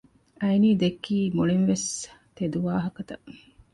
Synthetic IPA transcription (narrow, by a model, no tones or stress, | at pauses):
ɐjniːd̪ekːiːmuɭinʋest̪ed̪uʋaːɦɐkɐt̪ɐ